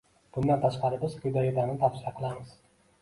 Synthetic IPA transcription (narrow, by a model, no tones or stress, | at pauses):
b̥ʊnd̪ant̪ʰaʃqɑɾɪbɪzkʰʲʊd̪ajɪd̪anɪt̪ʰafsɪjaqʰɨlˠamɪz̥